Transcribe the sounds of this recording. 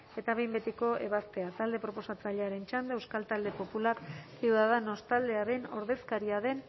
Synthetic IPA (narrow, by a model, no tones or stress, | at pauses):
e̞t̪aβe̞jmbe̞t̪iko̞ʔe̞̰βast̪e̞at̪ald̪e̞pɾo̞po̞sat͡saʎeaɾe̞nt͡ʃand̪eewskalt̪ald̪e̞po̞pulaɾsiuðaðano̞st̪ald̪e̞aɾe̞no̞̰ɾðe̞skaɾiaðe̞n